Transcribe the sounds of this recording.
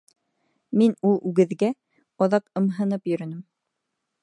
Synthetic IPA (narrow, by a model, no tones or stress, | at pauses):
minulˠʉɡɘ̆ðɡæ | ɑðɑqɤ̆mɦɤ̆nɤpjɵ̆ɾɵ̆nɘm